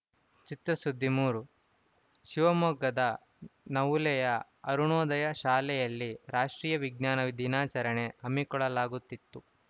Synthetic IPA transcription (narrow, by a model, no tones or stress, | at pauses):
t͡ʃit̪ɾɐsud̪ʱːimuːɾu | ʃiʋɐmɔːɡɐd̪ɐ | nɐwlɛjɐ | ɐɾuɳɔːd̪ɐjɐʃaːlɛjɐlːiɾaːʂʈɾiːjɐʋiɡ̚naːnɐʋid̪ʱinaːt͡ʃɐɾɐɳeɐmːikɔɭɐlaːɡut̪ːit̪ːu